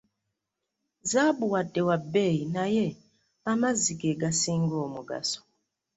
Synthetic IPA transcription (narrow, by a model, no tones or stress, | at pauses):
zabuwatɛwabɛinajɛ | amazikɛɡasiŋɡɔmuɡa̰sɔ̥